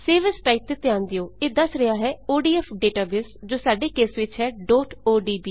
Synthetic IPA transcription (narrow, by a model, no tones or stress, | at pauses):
seːʋəsʈaːɪp̚t̪et̪ɪãːnd̪ejoːeːd̪əsɾəaːɦɛːoːɖiːɛːpɖeːʈaːbɪsd͡ʒoːsaːɖeːkeːsʋɪt͡ʃɦɛːɖɔːʈoːɖiːbiː